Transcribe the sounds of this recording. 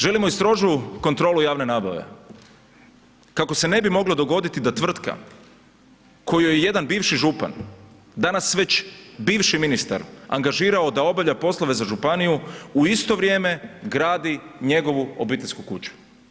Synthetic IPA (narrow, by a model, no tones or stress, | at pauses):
ʒe̞limoist̪ɾo̞ːʒuko̞nt̪ɾo̞ːlujaːʋne̞naːba̰ʋe̞̰ | kako̞se̞ne̞bimo̞ɡlˠod̪o̞ɡo̞d̪it̪id̪at̪ʋr̩t̪ka̰ | ko̞jujeje̞d̪anbiːʋʃiʒupa̰n | d̪anasʋe̞t͡ɕbiːʋʃiminist̪a̰ɾa̰ŋɡaʒiːɾaod̪ao̞baʋʎapo̞slˠoʋe̞zaʒupanijuuist̪o̞ʋɾʲje̞ːme̞ɡɾaːd̪iɲe̞ɡo̞ʋuo̞biːt̪eʎʲskukut͡ʃu̥